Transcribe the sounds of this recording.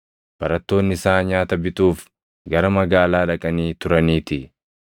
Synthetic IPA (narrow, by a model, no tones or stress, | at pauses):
b̥ɐɾɐt̪ːo̞ːnːɪsaːɲaːt̪ɐbɪt̪uːf | ɡɐɾɐmɐɡaːlaːᶑɐkʼɐniːt̪ʊɾɐniːt̪ɪ